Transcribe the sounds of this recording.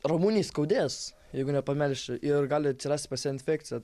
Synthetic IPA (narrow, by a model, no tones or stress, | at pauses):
ɾomuːnʲijskɐʊd̪ʲeːs | jɛɪɡʊnʲɛpɐmʲɛlʲʃt͡ʃʲɪʔɪrɡɑːlʲɪɐt̪ʲsʲɪrɑːsʲt̪ʲpɐsʲɛɪnʲfʲæːktt͡sʲɪjɛ